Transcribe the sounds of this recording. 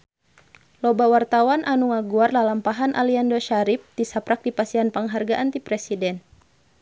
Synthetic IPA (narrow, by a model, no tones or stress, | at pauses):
lɔbawart̪awanʔanuŋaɡuarlalampaɦanʔa̰liandɔʃaɾip̚t̪isapɾak̚dipasianpaŋɦarɡaʔant̪ipɾɛsidɛn